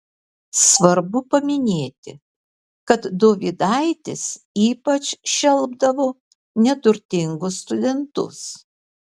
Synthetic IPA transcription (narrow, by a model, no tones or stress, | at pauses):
sʋɐɾbʊpɐmʲɪnʲeːt̪ʲɪ | kɐt̪d̪oːʋʲɪd̪ɐɪt̪ʲɪs | iːpɐt͡ʃʃʲɛlˠbd̪ɐʋoː | nʲɛt̪ʊɾʲt̪ʲɪŋɡʊsst̪ʊd̪ʲɛnt̪ʊ̰s